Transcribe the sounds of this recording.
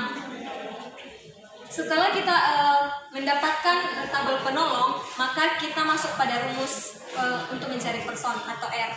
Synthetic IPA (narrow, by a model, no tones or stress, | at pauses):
sət̪əlahkit̪aʔəməndapat̪̚kanət̪abʊlpənɔlɔŋmakakit̪amasʊk̚padaɾumʊs | əunt̪ʊk̚məɲt͡ʃaɾipərsɔnat̪awʔɛr